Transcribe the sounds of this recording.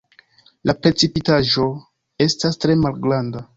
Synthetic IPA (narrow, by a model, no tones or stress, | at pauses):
lapɾet͡sipitaʒo̞ | e̞stastɾe̞malɡɾanda